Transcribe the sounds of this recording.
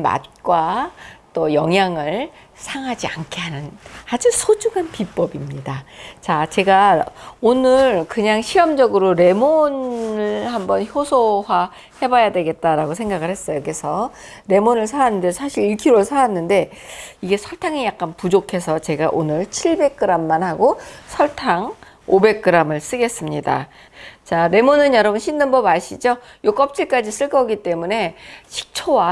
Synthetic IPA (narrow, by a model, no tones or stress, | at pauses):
ma̰t̚k͈wat͈ojʌŋjaŋɯɭ | sʰaŋɦad͡ʑiankʰe̞ɦanɯnad͡ʑusʰod͡ʑuŋanpip͈ʌbimɲidat͡ɕat͡ɕe̞ɡaonɯɾkɯɲaŋɕʰiʌmd͡ʑʌɡɯɾoɾe̞monɯɭhambʌnçjosʰowa | he̞bajadwe̞ɡe̞t̚t͈aɾaɡosʰe̞ŋɡaɡɯɭhe̞s͈ʌjokɯesʰʌ | ɾe̞monɯɭs̬ʰaanːɯndesʰaɕʰiɾiɭkʰiɾoɭsʰaanːɯnde̞iɡe̞sʰʌɭtʰaŋijak̚k͈anpud͡ʑokʰe̞sʰʌt͡ɕe̞ɡaʔonɯɭt͡ɕʰiɭbe̞k̚k͈ɯɾamːanhaɡosʰʌɭtʰaŋ | obe̞k̚k͈ɯɾamɯɭs͈ɯɡe̞s͈ɯmɲida̰ | t͡ɕaɾe̞monɯnjʌɾʌbunɕʰindɯnbʌbaɕʰid͡ʑojok͈ʌp̚t͡ɕ͈iɭk͈ad͡ʑis͈ɯɭk͈ʌɡit͈e̞mune̞ɕʰi̥k̚t͡ɕʰowa